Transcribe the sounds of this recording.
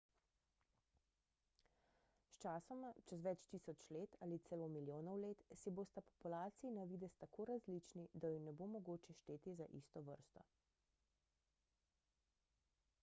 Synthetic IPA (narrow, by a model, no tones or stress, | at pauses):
st͡ʃaːsɔmat͡ʃɛzʋɛt͡ʃt̪iːsɔt͡ʃleːt̪alit̪sɛlomiljoːnɔwleːt̪siboːst̪apɔ̥pulaːt̪siinaʋid̪ɛst̪akʰoːɾazlit͡ʃnid̪ajinɛbomɔɡoːt͡ʃɛʃt̪eːt̪izaʔḭːst̪ɔʋə̰ɾst̪ɔ̰